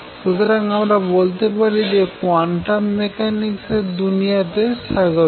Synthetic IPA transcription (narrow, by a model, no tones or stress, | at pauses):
ʃut̪oɾaŋamɾabolt̪epaɾid͡ʑekoaɳʈamekanikseɾd̪unijat̪eʃaɡo